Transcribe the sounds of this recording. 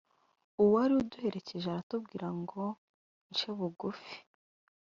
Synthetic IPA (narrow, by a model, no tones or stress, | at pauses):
uwaɾiuduhe̞ɾe̞ce̞ʒeaɾatub̚ɡiːɾaŋɡo̞ | nt͡ʃeβuɡufi̥